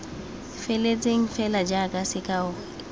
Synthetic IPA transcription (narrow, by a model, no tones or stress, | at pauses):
felet͡sʼeŋ̩fɛlad͡ʒakʼasɪkʼaʊɣɛ